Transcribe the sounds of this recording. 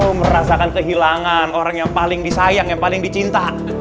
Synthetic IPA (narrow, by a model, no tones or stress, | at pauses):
oməɾasakankəɦilaŋanoɾaŋjaŋpalɪŋdisajaŋjaŋpalɪŋdit͡ʃint̪a